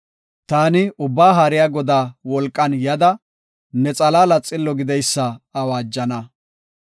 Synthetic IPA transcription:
t̪aːnɪʊbːaːɦaːɾɪjaːɡɔd̪aːwɔlkʼːɐnjɐd̪ɐ | nɛt͡sʼɐlaːlɐt͡sʼːɪlːɔɡɪd̪ɛjsːɐɐwaːd͡ʒːɐnɐ

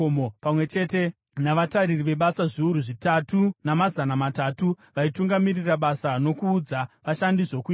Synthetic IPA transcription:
mopamwe̞t͡ʃe̞te̞ | naʋataɾiriʋe̞ɓasaʐiuɾuʐitatunamazanamataːtu | ʋaituŋɡamiriraɓasano̞kuːd͡zaʋaʃandiʐo̞kuː

